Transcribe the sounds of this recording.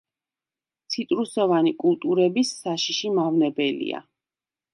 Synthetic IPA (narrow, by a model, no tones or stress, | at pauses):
t̪sʰit̪ʼɾusɔvanikʼulˠt̪ʼuɾɛbisːaʃiʃimavnɛbɛlḭa̰